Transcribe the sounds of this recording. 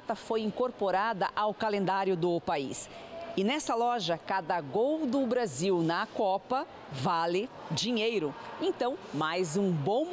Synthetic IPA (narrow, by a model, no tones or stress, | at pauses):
t̪ɐfojĩŋkoɾpoɾad̪ɐʔawkalẽnd̪aɾjʊd̪ʊpaḭs | ɪnɛsɐlɔʒɐkad̪ɐɡowd̪ʊbɾaziwnɐkɔpɐ | valɪd͡ʒiɲejɾʊẽt̪ɐ̃w̃majzũbõ